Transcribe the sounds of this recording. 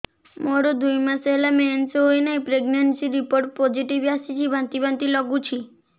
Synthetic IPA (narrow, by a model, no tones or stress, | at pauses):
moɾod̪ujmãseɦlamensojnaipɾeɡnəɳʈsiɾipoɾʈ̚pɔd͡ʒiʈiʋasit͡ʃʰibʱãnt̪ibãnt̪ilɔɡut͡ʃʰi